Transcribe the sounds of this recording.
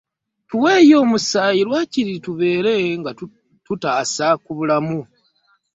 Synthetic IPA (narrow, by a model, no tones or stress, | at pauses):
tuwe̞ːjo̞ːmusaːjiɾwaciɾituβe̞ːɾe̞ŋɡa | tutaːsakuβulamu